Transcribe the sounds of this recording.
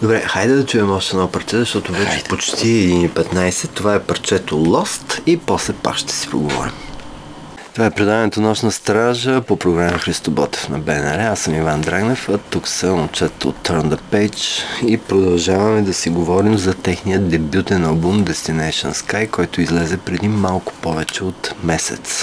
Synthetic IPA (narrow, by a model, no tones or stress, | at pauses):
d̪obɾɛxajd̪ɛd̪ɐt͡ʃuɛmɔʃt̪ɛːd̪nɔpɐɾt͡ʃɛzɐʃt̪ɔt̪ʊvɛt͡ʃɛpot͡ʃt̪iɛd̪inipɛt̪najsɛt̪ːovaɛpɐɾt͡ʃɛt̪olˠɔst̪ipɔslɛpa̰kʃt̪ɛ̥si̥po̰ɡovɔ̰ɾḭm | tt̪ovaɛpɾɛd̪avɛnɛt̪onɔʃnɐst̪ɾaʒəpopɾoɡɾaməxɾist̪obɔ̰t̪ɛ̥fnɐbɛnɛɾɛasəmivand̪ɾaɡnɛfɐt̪uksəmot͡ʃɛt̪o̰t̪ːəɾnd̪əpɛjt͡ʃipɾod̪ɐlˠʒavɐmɛd̪ɐsiɡovɔɾimzɐt̪ɛxnijəd̪ɛbjut̪ɛnɐlˠbumd̪ɛst̪inɛjʃənskajkɔjt̪ʊizlɛzɛpɾɛd̪imalˠkʊ̥pɔvɛt͡ʃɛot̪mɛsɛ̰t̪s